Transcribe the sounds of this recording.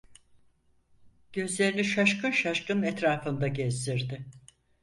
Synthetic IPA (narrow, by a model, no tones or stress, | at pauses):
ɟ̥ø̞zlʲe̞ɾiniʃaʃkʰɯnʃaʃkɯnɛt̪ɾaːfɯnd̪aɟɛzd̪iɾd̪ɪ